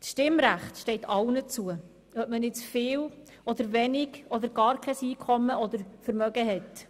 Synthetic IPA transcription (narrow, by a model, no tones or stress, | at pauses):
sʃtɪmɾæχtʃtɛɪtʰɑwnət͡suə | œp̚mənɪt͡sfɪːl | ɔd̪əɾvɛnɪɡɔd̪əɾɡɑːɾkʰɛsiːkʰɔmːəɔd̪əɾfəɾmœɡəɦɛt